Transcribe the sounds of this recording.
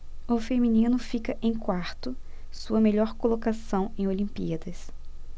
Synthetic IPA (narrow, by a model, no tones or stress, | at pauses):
ʊfemĩnĩnʊfikɐʔẽj̃kwaɾt̪ʊ | suɐmeʎɔɾkolokasɐ̃w̃ẽj̃olĩmpḭɐd̪ɐs